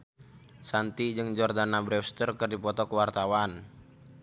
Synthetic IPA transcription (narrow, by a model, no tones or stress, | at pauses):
sant̪id͡ʒɨŋd͡ʒɔrdanabɾɛst̪ərkərdipɔt̪ɔkəwart̪awan